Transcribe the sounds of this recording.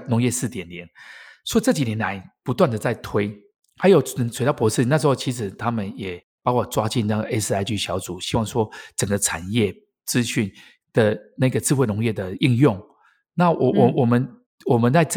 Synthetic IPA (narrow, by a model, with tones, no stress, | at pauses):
nʊ˧˥ŋjɛ˥˧sɹ̩˥˩t̪jɛ˨˩nljɛ˨˦nswɔ˧˥i˨t͡sɤ˥˩t͡ɕi˨˩njɛ˧˦nla˧˦ɪpu˧˥t̪wa˥˩nd̪ə˩t͡sa˥˩ɪt̪ʰwe˥ɪ | xa˧˥ɪjo˨˩ʊ˨swe˨˩ɪt̪ɑ˥˩pwɔ˧˥ʂɻ̩˥˩na˥˩ʂɻ̩˧˥xo˥˩ʊt͡ɕʰi˧˥ʂ̬ɻ̩˨˩t̪ʰa˥mə˨njɛ˨˩ | pɑ˥ʊkʷɔ˥˩t͡swa˥t͡ɕi˥˧nna˥˩ɡə˩ʔe˥ɪs̩˥˧a˥˧ɪt͡ɕy˥˩ɕjɑ˧˥ʊt͡su˨˩ɕi˥wɑ˥˩ŋʂwɔ˥t͡sə˨˩ŋɡə˦t͡sʰa˨˩njɛ˥˩ | t͡sɹ̩˦˥ɕy˥˩n | d̪̥ə˩na˥˩ɪɡə˩t͡sɹ̩˥˧we˥˩nʊ˧˥ŋjɛ˥˩d̪ə˩i˥˧ŋjʊ˥˩ŋ | na˥˨wɔ˨wɔ˨˩mə˦n | wɔ˨˩mə˨˦nt͡sa˥˧ɪt͡s